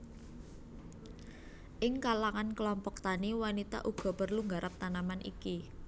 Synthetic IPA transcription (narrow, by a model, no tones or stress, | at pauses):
ʔɪŋkalaŋankəlɔmpɔk̚t̪aniwanit̪a̰ʔuɡ̥ɔ̤pərluŋɡaɾʔap̚t̪anamanʔḭki